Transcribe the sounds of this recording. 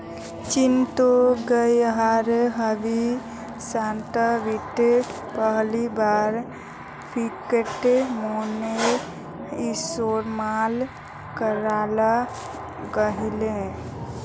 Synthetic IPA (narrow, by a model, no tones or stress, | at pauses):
t͡ʃint̪oɡəjɦaɾɦəbi | sãt̪əʋiʈe | pəɦlibaːɾ | pikeʈemone | isoːɾmal | kəɾaːla | ɡəɦilẽ